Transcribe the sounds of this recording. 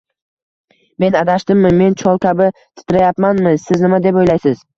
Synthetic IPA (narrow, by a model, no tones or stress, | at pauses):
me̞nad̪aʃt̪ɪmːɪme̞nt͡ʃʰɒlˠkʲʰabɪt̪ʰɪ̥t̪ʰɪɾajapmanmɪsɪznɪmad̪e̞pojlajsɪz̥